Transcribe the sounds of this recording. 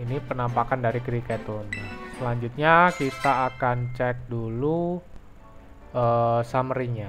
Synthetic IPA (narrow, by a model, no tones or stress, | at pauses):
inipənampakandaɾiɡɾikɛt̪unsəlaɲd͡ʒut̪̚ɲakit̪aːkant͡ʃɛk̚dulu | ʔəːsamɾiɲa